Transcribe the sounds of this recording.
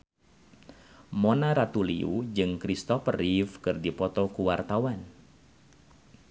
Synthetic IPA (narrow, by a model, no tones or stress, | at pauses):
monaɾat̪ulḭṵd͡ʒɨŋkɾist̪ɔfərifkɨrdipɔt̪ɔkuwart̪awan